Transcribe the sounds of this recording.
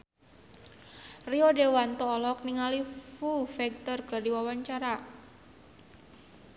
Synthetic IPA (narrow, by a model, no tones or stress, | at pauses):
riɔdewant̪ɔːlɔk̚niŋalifufɛɡ̚t̪ɔrkɨrdiwawaɲt͡ʃaɾa